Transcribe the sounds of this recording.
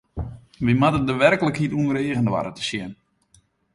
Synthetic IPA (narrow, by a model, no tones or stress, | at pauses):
ʋimatədəʋɛrkələkɦituəəɾeːɣəndʋa̰ɾətə̥sjɪn